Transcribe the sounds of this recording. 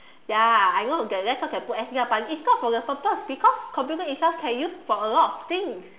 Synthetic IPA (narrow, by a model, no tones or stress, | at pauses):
jaajnoɡɛɹɛkɔkɛ̃nputɛsɡãpalĩisɡɔtfɔdəsɔp̚tɔsbikʰɔskʰɔ̃mpjutə̃ĩnsɛskʰɛ̃njusfɔəlɔtɔft̪ĩŋs